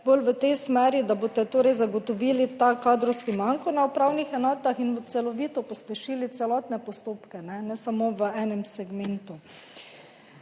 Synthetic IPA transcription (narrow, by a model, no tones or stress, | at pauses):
bolʋət̪ɛjsmɛːɾid̪aboːt̪ɛt̪oːɾɛjzaɡɔt̪ɔʋilit̪akaːd̪ɾɔwskimaŋkɔnaupɾawnixɛnɔːt̪axinʋət̪sɛlɔʋiːt̪ɔpɔspɛʃiːlit̪sɛlɔːt̪nɛpɔst̪oːpkɛnɛnɛsamoʋəɛːnɛmsɛɡment̪u